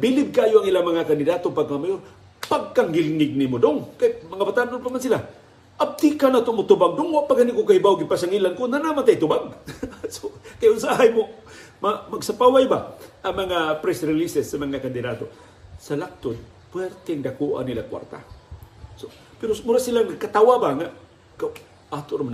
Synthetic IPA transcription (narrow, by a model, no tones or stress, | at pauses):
bilɪb̚kaːjoaŋilamɐŋakand̪ɪdat̪opaɡ̚kamajor | paɡ̚kaŋɡɪlŋɪɡ̚nimodoŋkajmɐŋabat̪anʊnpamansila | ʔab̚t̪ikanat̪omʊt̪ubaɡdoŋwaʔpaɡanikokahibawɡɪpasaŋilankʊnːanamant̪ajt̪ʊbaɡ̚sokajʊsaɦajmo | mamaɡsapawajbaʔaŋmaŋapɾɛsɾɪlisɛsːamaŋakand̪ɪdat̪o | salak̚t̪ʊd̪̚ | pwɛrt̪eŋdakuʔa̰nilakwa̰rt̪a̰ | so | peɾomʊɾaʔsilaŋakat̪awabaŋa | ka | ʔat̪oʔɾomn